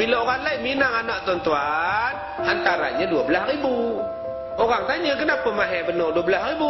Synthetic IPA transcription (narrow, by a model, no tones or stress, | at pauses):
bilaoɣaŋlajminaŋanaʔt̪want̪uan | ant̪aɾa̰ɲaduabəlahribu | oɣaŋt̪aɲəɡənapəmaɦɛbənɔduabəlasribu